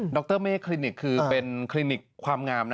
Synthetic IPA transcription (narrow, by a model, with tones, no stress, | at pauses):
dɔ˦˥k̚t̪ɤː˥˩meː˦˥˩kʰli˧ni˨˩kʰːɯː˧pe˧nkʰliː˧ni˨˩kʰwaː˧mŋaː˧mna˦